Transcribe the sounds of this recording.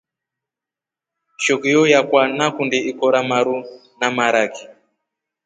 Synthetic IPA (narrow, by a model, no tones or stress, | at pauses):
ʃɔkijɔjakwanakundiikɔɾamaɾu | namaɾaki